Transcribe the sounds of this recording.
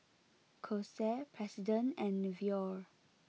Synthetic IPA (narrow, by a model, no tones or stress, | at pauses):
kʰosɛpʰɹɛsidə̃nɛ̃nvjɔɹ